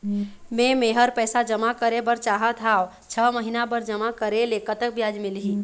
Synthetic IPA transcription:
mẽmẽɦəɾpɛːsad͡ʒəmakəɾebəɾt͡ʃaːɦət̪ʰaːo | t͡ʃʰəməɦinabəɾd͡ʒəmakəɾelekət̪ək̚bjaːd͡ʒmɪlɦiː

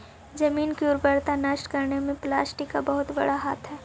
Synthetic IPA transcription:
d͡ʒɐmiːnkiʊɾpəɾt̪anaʃʈkɐɾnemẽplaːsʈika̰bɐɦʊt̪bɐ̰ɽaɦaːt̪ʰɦɛː

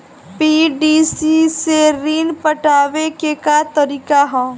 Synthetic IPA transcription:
piːɖiːsiseɾiːnpəʈaːʋekekat̪əɾiːkaɦɛ̃ː

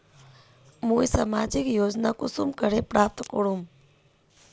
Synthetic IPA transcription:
mũːisamad͡ʒikjod͡ʒnakusumkəɾepɾaːp̚t̪kəɽum

